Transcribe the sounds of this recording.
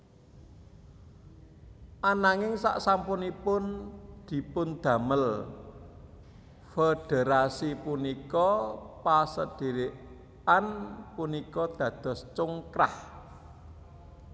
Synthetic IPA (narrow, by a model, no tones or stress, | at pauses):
ʔanaŋɪŋsa̰ʔsampʊnipʊnd̪̥i̤pʊnd̪̥a̤məl | feɖ̥ə̤ɾasipunikɔpasəd̥i̤ɾɪʔ | anpunikɔd̪̥ä̤d̪̥ɔ̤st͡ʃʊŋkɾah